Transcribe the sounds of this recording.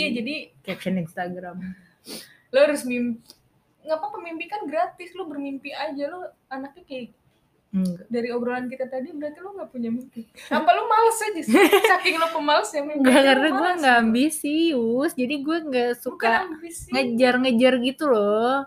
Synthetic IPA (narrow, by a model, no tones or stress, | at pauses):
jad͡ʒadikɛp̚t͡ʃaninst̪aɡɾam | loaɾʊsmimpi | ŋapapəmimpikanɡɾat̪ɪslʊbərmimpiad͡ʒalo | anak̚ɲaka | daɾiobɾolankit̪at̪adibəɾart̪ilʊŋɡapuɲamimpiapalomaləsad͡ʒissakɪŋlʊpəmalsjaŋmimŋɡakaɾnaɡuɛŋɡaːmbisiʊsd͡ʒadiɡuɛŋɡasukambisŋəd͡ʒarŋəd͡ʒarɡit̪ulɔ